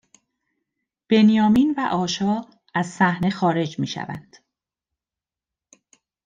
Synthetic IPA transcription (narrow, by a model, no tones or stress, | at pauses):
b̥e̞njɒːmiːnvæʔɒːʃɒː | æzsæhne̞xɒːɾe̞d͡ʒmiːʃæ̰væ̰nd̪̥